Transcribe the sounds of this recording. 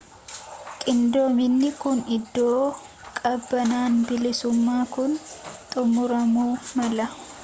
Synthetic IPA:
kʼɪnd̪oːmɪnːɪkʊnɪd̪ːoː | kʼɐbːɐnaːnbɪlɪsʊmːaːkʊnt̪ʼʊmʊɾɐmuːmɐlɐ

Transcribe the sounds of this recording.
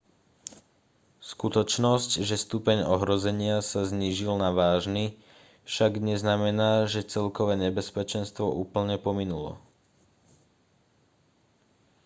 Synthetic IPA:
skut̪ɔt͡ʃnɔscʒɛst̪upɛɲɔɦɾɔzɛɲɪasazɲiːʒilnaʋaːʒni | fʃaɡɲɛznamɛnaːʒɛt͡sɛlkɔʋɛːɲɛbɛspɛt͡ʃɛnst̪ʋɔʔuːpl̩ɲɛpɔminulɔ̰

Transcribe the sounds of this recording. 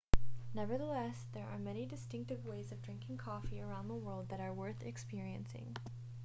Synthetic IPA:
nɛvə˞ðəlɛsðə˞ʔaɹmɛñidɨstɪ̃ŋk̚tɨvweɪzʌvdɹɪ̃ŋkɪ̃ŋkʰɔfiə˞ãʊ̃nðəwɜ˞lˠd̪̚ðɨɾəɹwɜ˞θɨkspɪɹiɨ̰̃nsɪ̰̃ŋ

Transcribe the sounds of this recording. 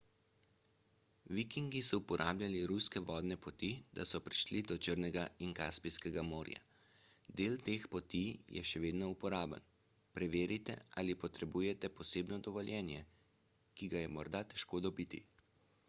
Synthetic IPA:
ʋikiŋɡisɔupɔɾʔaːblʲjaliɾuskɛʋɔːd̪nɛpɔt̪id̪̥a̰sɔpɾiʃlid̪ɔt͡ʃəɾnɛɡaiŋkaspiskɛɡamoːɾja̰ | d̪eːlt̪eːxpɔt̪ijɛ̰ʃɛʋeːd̪nɔupɔɾaːbə̰n | pɾɛʋeːɾit̪ɛ̰alipɔt̪ɾɛbuːjɛt̪ɛpɔseːbnɔd̪ɔʋɔljɛːnjɛ | kiɡajɛmɔɾd̪at̪ɛ̥ʃkoːd̪ɔbiːt̪ḭ

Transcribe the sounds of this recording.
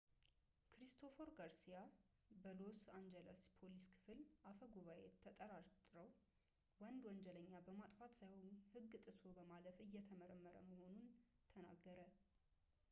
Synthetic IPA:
kɾist̪ʰo̞foɾɡaɾsija | bəlosand͡ʒɛləspʰoliskʰɨ̥fɨlʔafəɡuβaʔet̪ʰːət̪ʼəɾaɾt̪ʼɨɾəw | wənd̪wɔnd͡ʒələɲːabəmat̪ʼfat̪sajwoɲhɨɡːɨt̪ʼɨsobəmaləfɨjːɛt̪ʰəməɾəmːəɾə̰məho̞nunt̪ʰəna̰ɡːəɾə

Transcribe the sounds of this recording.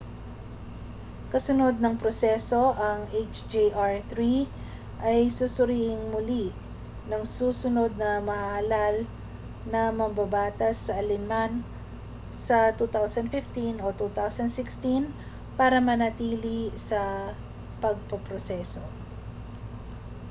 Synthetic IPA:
kɐsʊno̞d̪̚nɐŋpɾosɛso̞ʔɐŋʔet͡ʃd͡ʒiʔaɹθɾi | ʔɐjsusʊɾiːʔɪŋmʊli | nɐŋsuːsʊno̞d̪̚nɐmɐʔaɐlal | nɐmɐŋbɐbaːt̪ɐsːɐʔɐlɪnman | sɐt̪uːt̪awsɐnd̪fɪft̪inʔot̪uːt̪awsɐnd̪sɪkst̪in | paːɾɐmɐnɐt̪iːlisɐ | pɐɡ̚pɐpɾosɛso̞

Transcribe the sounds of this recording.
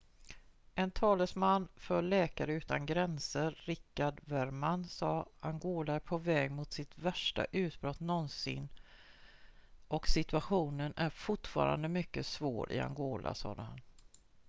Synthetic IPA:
ʔɛnt̪ʰɑːləsmanːfœɭɛːkaɾəʉ̟ːt̪anɡɾɛnsəɾːɪkːaɖvæɾmanːsɑːaŋɡoːlaæɾpʰɔvɛːɡmʊt̪sɪt̪væʂʈa̰ʔʉ̟ːt̪bɾɔt̪nɔnsɪ̰nː | ʔɔksɪt̪ɵaɧuːnənæɾfʊʈfɑ̰ːɾa̰nd̪əmʏkːəsvo̰ːɾʔɪ̰a̰ŋɡoːla̰sɑ̰ːd̪əhan

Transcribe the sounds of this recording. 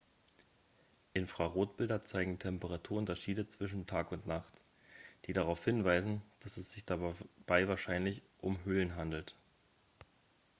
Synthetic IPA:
ʔɪnfʁ̥aʁoːt̚b̥ɪldɐt͡saɪɡŋ̩tʰɛmpəʁ̞atʰuːɐʔʊntɐʃiːdət͡sv̥ɪʃn̩tʰaːkʊntnaχt | d̥iːdaʁaʊfhɪnvaɪzn̩d̥asɛsz̥ɪçd̥ab̥aɪvaːɐʃaɪnlɪçʔʊmɦʏlənɦandl̩t

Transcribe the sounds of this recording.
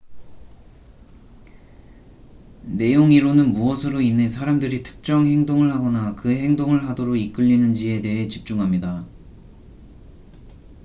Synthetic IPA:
ne̞joŋiɾonɯnmuʌsʰɯɾoinːes̬ʰaɾamdɯɾitʰɯ̥k̚t͡ɕ͈ʌŋhe̞ŋdoŋɯɭhaɡʌnakɯɦe̞ŋdoŋɯɭɦadoɾoɡik͈ɯʎːinɯnd͡ʑie̞de̞ɦe̞t͡ɕip̚t͡ɕ͈uŋɦamɲida

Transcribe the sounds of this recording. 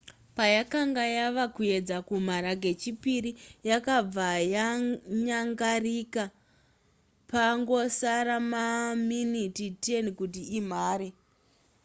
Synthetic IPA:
pajakaŋɡajaʋakuje̞d͡zakum̤aɾaɡe̞t͡ʃipiɾijakab͡vajaɲaŋɡarika | paŋɡo̞saɾamaminititenkutiim̤aːɾe

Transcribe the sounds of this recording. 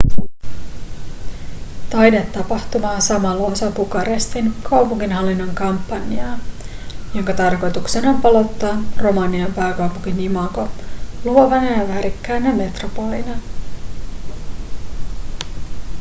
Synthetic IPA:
t̪ɑjdet̪ːɑpɑht̪umɑːsɑmɑlːosɑpukɑɾest̪inkɑwpuŋkinɦɑlːinːoŋkɑmpːɑnːiɑː | jo̞ŋkɑt̪ɑrko̞jt̪uksenompɑlo̞t̪ːɑːro̞mɑːniɑmpæːkɑwpuŋk̟inimɑko̞luoʋɑnɑjɑʋæːɾikːæːnːɑme̞t̪ropo̞linɑ

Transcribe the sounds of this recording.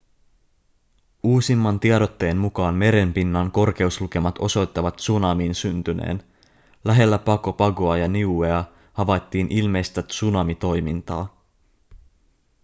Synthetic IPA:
uːsimːɑnt̪iɑdo̞t̪ːe̞ːnmukɑːnme̞ɾe̞mpinːɑŋko̞rk̟e̞usluke̞mɑt̪o̞so̞jt̪ːɑʋɑt̪sunɑmiːnsynt̪ynḛːn | læɦe̞lːæpɑko̞pɑɡo̞ɑjɑniueɑ | hɑʋɑjt̪ːiːnʔilme̞jst̪æsunɑmit̪o̞jmint̪ɑ̰ː

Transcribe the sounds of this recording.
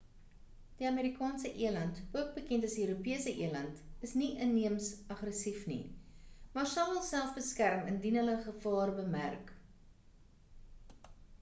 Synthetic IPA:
d̥iɐmeːɾikɑːnsəʔiəlɐntuək̚bəkɛntɐsiøːɾupiəsəʔiəlɐntəsniʔənːiəmsɐχrəsifnḭmɑːrsɐlˠɦəlˠsælˠfbəskærməndinɦələχəfɑːrbəmæ̰rk

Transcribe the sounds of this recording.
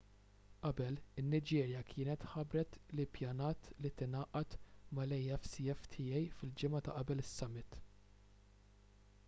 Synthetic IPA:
ʔɐbɛlɪnːɪd͡ʒɛːɾjɐkʰɪːnɛt̪ħɐbɾɛt̪lɪpjɐnɐːt̪lit̪ɪnɐːʔɐt̪mɐlɛjɛfsɪɛft̪ʰɪːjɛjfɪld͡ʒɪmɐt̪ɐ̰ʔɐbɛlɪsːɐmːɪt̪

